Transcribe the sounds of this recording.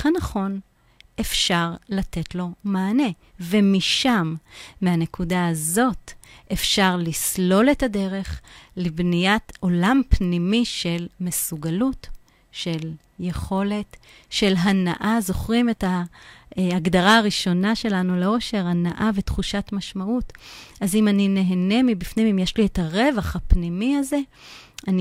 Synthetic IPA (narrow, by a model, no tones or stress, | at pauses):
anaχo̞n | e̞fʃaʁlate̞tlo̞maːne̞ | vemiʃamːeane̞kudaazo̞tʔefʃaʁlislo̞letade̞ʁe̞χlebnijato̞lampnimiʃe̞lmesuɡalut | ʃe̞l | jeχo̞le̞t | ʃe̞lɦanaʔazo̞χʁimeta | aɡdaʁaːʁiʃo̞naʃe̞lanuleo̞ʃe̞ʁanaʔavetχuʃatmaʃmaʔutazimanine̞ɦene̞mibifnimimjeʃlietaʁe̞vaχhapnimiaze̞ | ʔani